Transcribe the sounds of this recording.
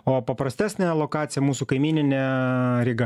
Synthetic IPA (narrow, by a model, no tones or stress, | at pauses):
oːpɐpɾɐsʲt̪ʲæːsʲnʲɛlˠoːkɑːt̪sʲɪjɛmuːsukɐɪmʲiːnʲɪnʲɛɾʲɪɡɐ